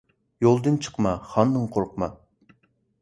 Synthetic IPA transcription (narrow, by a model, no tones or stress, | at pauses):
jolˠd̪ɨnt͡ʃʰə̥qmɑχɑnd̪ɨɴqʰoɾʊqmɑ